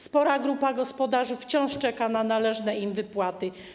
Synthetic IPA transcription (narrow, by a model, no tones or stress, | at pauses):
spɔɾaɡɾupaɡɔspɔd̪aʐɘft͡ɕɔ̃w̃ʂt͡ʂɛkananalɛʐnɛimvɘpwat̪ɘ